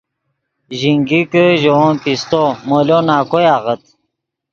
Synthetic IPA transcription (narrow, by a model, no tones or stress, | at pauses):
ʑiŋɡikəʑoonpist̪omoljonaːkojaːʁət̪̚